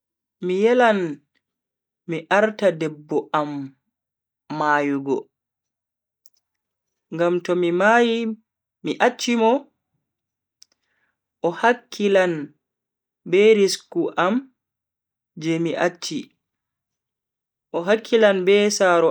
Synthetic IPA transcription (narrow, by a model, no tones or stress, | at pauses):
mijɛlan | miʔaɾtadɛbːɔam | aːjuɡɔ̰ | ŋɡamtɔmimaji | miʔat͡ʃːimɔ | ʔɔhakʰːilan | bɛɾiskuʔam | d͡ʒɛmiʔat͡ʃːi | ʔɔɦakʰːilanbɛsaɾɔ